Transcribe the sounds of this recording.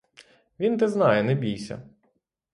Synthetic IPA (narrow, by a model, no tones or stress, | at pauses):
ʋʲint̪ɛznɑjɛnɛbʲijsʲɐ̰